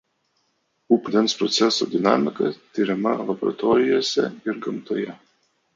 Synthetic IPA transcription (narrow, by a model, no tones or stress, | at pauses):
upʲlʲɛnspɾɔt̪sʲɛso̰d̪ʲɪnɑ̰ːmʲɪkɐ̰t̪ʲiɾʲɛmɐ̰lˠɐbɔɾɐ̰t̪ɔːɾʲɪjoːsʲɛ̰ɪɾɡɐmt̪oːjɛ